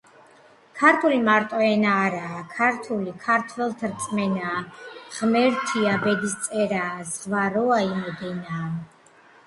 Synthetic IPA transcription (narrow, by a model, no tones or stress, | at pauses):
kʰaɾt̪ʰulimaɾt̪ʼɔɛnaːɾaːkʰaɾt̪ʰulikʰaɾt̪ʰvɛlˠt̪ʰɾt̪sʼmɛnaːʁ̥mɛɾt̪ʰiabɛd̪ist̪sʼɛɾaːzvaɾɔaimɔd̪ɛnaː